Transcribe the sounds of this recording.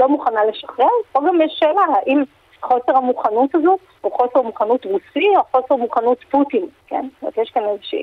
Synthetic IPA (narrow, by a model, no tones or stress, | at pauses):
lo̞muχanale̞ʃḁχʁeʁoɡamjeʃelahaʔim | χo̞seʁhamuχanutazot | uχo̞seʁmuχanutʁusioχo̞seʁmuχanutputinkḛna̰tjeʃkanezeʃḭ